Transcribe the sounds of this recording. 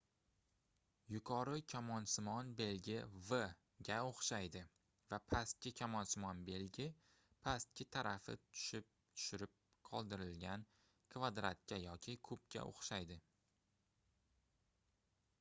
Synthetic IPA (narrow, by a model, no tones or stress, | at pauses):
jʊkʰɒɾɪkʲʰamɒnsɪmɒnbe̞lɡʲɪvɨ | ɡʲaoχʃajd̪ɪ | vapʰast̪̚kʲɪkʲʰamɒnsɪmɒnbe̞lɡʲɪ | pʰast̪̚kʲɪt̪ʰaɾafɪ̰t̪ʰʊ̥ʃɪp̚t̪ʰʊ̥ʃɪɾɪp̚ | qʰɒlˠd̪ɪɾɪlɡʲan | kʰvad̪ɾat̪̚kʲajɒkʲʰɪkʰɵpkʲʰa̰ʔo̰χʃajd̪ɪ